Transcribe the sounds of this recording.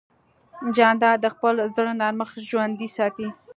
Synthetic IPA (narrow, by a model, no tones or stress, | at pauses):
d͡ʒɑnd̪ɑd̪əxpəlozd̪əɽonɑɾməxʒwand̪isɑt̪i